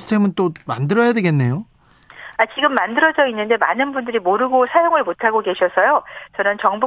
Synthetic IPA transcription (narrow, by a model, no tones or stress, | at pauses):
sʰɯ̥tʰe̞mɯnt͈oma̰ndɯɾʌjadwe̞ɡe̞nːe̞jo | at͡ɕiɡɯmːandɯɾʌd͡ʑʌinːɯnde̞manɯnbundɯɾimoɾɯɡosʰajoŋɯɭmotʰaɡoke̞ɕʰʌsʰʌjot͡ɕʌnɯnt͡ɕʌŋbu